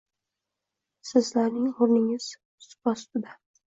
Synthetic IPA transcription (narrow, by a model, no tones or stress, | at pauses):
sɪzlaɾnɪŋhʊɾnɪŋɪz̥ | sʊ̥pɒst̪d̪a